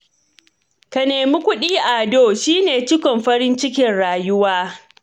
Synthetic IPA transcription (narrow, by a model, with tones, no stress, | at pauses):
kɐ˨neː˨mi˦kʷʊ˦ɗiː˦ʔa˨doː˦˨ʃiː˦neː˨t͡ʃɪ˦kʷɔ˨mɸɐ˦ɾɪ˦nt͡ʃɪ˦kʲɪ˦˨nɽaː˨jʊ˦waː˦